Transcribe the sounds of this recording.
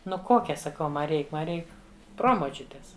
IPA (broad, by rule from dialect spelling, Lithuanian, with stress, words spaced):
ˈnʊ ˈkoːkʲɛ sɐˈkɐʊ ˈmɐ ˈrʲɛɪk ˈmɐ ˈrʲɛɪk ˈproːmoːt͡ʃʲʊtʲeːs